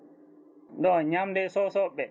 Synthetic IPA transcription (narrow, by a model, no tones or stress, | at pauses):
ɗɔɲamdɛsɔsɔɓːɛ